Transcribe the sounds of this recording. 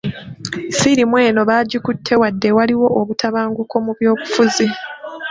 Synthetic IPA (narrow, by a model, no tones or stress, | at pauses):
siɾimwe̞ːno̞βaːɟukutʰːe̞wadːe̞waliwo̞ʔːβutʰaβaːŋɡuko̞muβjo̞ːβufuzi